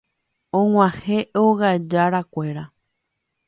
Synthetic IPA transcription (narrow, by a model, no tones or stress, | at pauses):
õŋʷãheʔoɣad͡ʒaɾakʷe̞ɾa